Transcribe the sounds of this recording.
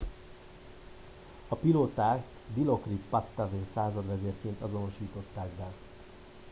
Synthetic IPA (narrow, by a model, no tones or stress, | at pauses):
ɒpiloːt̪aːk | d̪ilo̞krippɒt̪ːaveːnsaːzɒd̪ʋɛzeːrkeːnt̪ɒzo̞no̞ʃiːt̪o̞t̪ːaːɡ̚bɛ